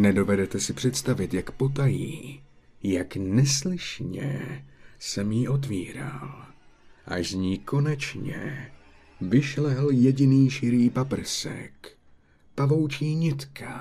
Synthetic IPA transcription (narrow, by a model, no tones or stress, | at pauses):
nɛdo̞vɛdɛt̪ɛsɪpr̥ɛt̪st̪avɪt̪jakpo̞t̪̬ajiː | jaknɛslɪʃɲɛ̰ | sɛmjiʔo̞t̪̬viːɾa̰l | ʔaʃzɲiːko̞nɛt͡ʃɲɛ̰ | vɪʃlɛljɛɟɪniːʃɪɾiːpapr̩sɛ̰k | pavo̞wt͡ʃiːɲɪt̪kʰa